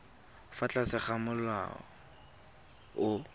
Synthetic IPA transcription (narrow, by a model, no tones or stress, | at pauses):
fat͡ɬʼasɪχamʊla̰ɔ | ʊ